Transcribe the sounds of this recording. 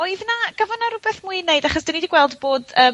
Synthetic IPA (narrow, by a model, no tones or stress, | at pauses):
ɔɨðnaɡ̥əvɔnaɾʊbɛθmuɨneɨdaχɔsd̥inidiɡwɛlˠdboːdəː